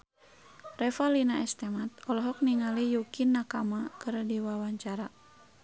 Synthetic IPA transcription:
rɛfalinaɛst̪ɛmat̪̚ɔlɔɦɔk̚niŋalijukinːakamakɨrdiwawaɲt͡ʃaɾa

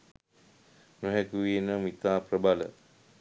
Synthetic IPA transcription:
nuɦɛkuʋenəmit̪aːprəbalə̰

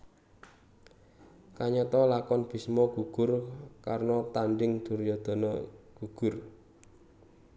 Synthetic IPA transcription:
kaɲɔt̪ɔlakɔnb̥i̤smɔɡ̥uɡ̥ʊrkarnɔt̪anɖɪŋd̪̥ṳrjɔd̪̥ɔ̤nɔɡ̥uɡ̥ʊr

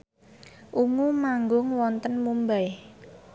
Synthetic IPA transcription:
ʔuŋumaŋɡʊŋwɔnt̪ənmumbaj

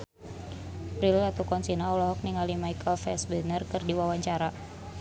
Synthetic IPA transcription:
pɾilat̪ukɔnsinaɔlɔɦɔk̚niŋalimaikəlfɛsbənərkɨrdiwawaɲt͡ʃaɾa

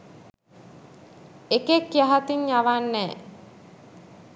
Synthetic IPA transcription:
ekekːjaɦat̪iɲjaʋanːɛː

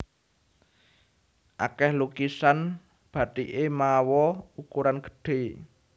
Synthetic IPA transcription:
ʔa̰kɛhlukisan | b̥a̤d̪̥iʔemawɔukuɾanɡ̥ə̥̤ɖ̥e̤

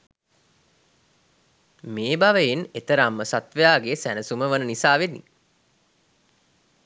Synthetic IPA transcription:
meːbaʋəjenet̪əɾamːəsat̪ʋəjaːɡeːsænəsuməʋənənisaːʋenḭ

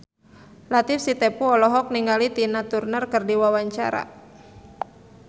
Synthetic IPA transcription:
lat̪ɪfsit̪ɛpuɔlɔɦɔk̚niŋɡalit̪inat̪urnərkərdiwawaɲt͡ʃa̰ɾa̰

